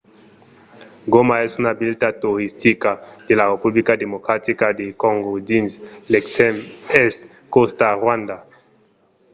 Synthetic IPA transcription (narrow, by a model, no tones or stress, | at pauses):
ɡomaɛsunabilt̪at̪uɾist̪ikad̪̥elarepublikad̪emokɾat̪ikad̪ekɔŋɡod̪insleksɛmɛs | kostaʁwãnd̪a